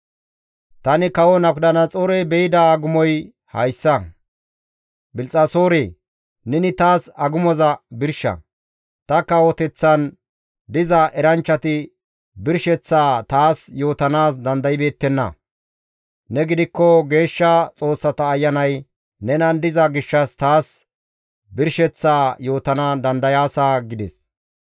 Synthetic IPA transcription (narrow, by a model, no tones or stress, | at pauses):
t̪ɐnɪkɐwɔnɐk̚d̪ɐnɐt͡sʼoɾɛjbɛjɪd̪ɐːɡʊmɔj | hɐ̰jsːɐ | bɪlt͡sʼɐso̞ːɾeː | nɛnɪt̪aːsɐɡʊmɔzɐbɪɾʃɐ̰ | t̪ɐkːɐwɔt̪ɛt͡sːɐn | d̪ɪzɐʔɛɾɐnt͡ʃːɐt̪ɪ | bɪɾʃɛt͡sːaːt̪aːsjo̞ːt̪ɐnaːsd̪ɐnd̪ɐjɪbe̞ːt̪ːɛnːɐ̰ | nɛɡɪd̪ɪkːɔɡe̞ːʃːɐt͡sʼo̞ːsːɐt̪ɐːjːɐnɐj | nɛnɐnd̪ɪzɐɡɪʃːɐst̪aːs | bɪɾʃɛt͡sːaːjo̞ːt̪ɐnad̪ɐnd̪ɐjaːsaːɡɪd̪ɛs